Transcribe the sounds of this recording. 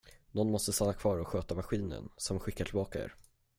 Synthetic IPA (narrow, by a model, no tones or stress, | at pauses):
nɔnːmɔst̪əst̪anːakʰvɑːɾɔɧøːt̪avaɧiːnə̰nsɔmɧɪkːaʈʰɪlbɑːkaḛːɾ